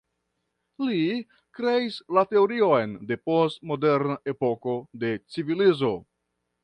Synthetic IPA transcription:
li | kɾe̞islate̞oɾio̞jnde̞po̞stmo̞de̞ɾnae̞po̞ko̞de̞t͡sivilizo̞

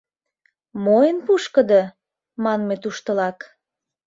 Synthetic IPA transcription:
mojənpuʃkə̆d̪ɤ | mɑnmet̪uʃt̪ə̆lɑk

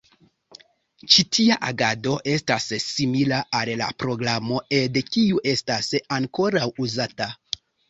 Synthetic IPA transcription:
t͡ʃitʰiaʔaɡado̞ʔe̞stassimilaʔalla̰pɾo̞ɡɾamo̞edkiuʔe̞stasaŋko̞ɾawuzata

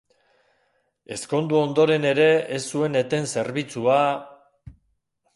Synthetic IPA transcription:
e̞sko̞nd̪uo̞nd̪o̞ɾe̞ne̞ɾe̞esːue̞ne̞t̪e̞nse̞ɾβit͡sua

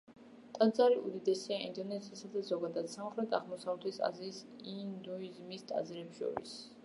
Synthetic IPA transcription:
t̪ʼad̪zaɾiʔṵd̪id̪ɛsiaḭnd̪ɔnɛzisad̪azɔɡad̪ad̪̥samχlɛt̪ʰʼaʁmɔsavɾɛt̪ʰisa̰ziːsind̪uizmist̪ʼa̰zɾɛpʃɔ̰ɾḭs

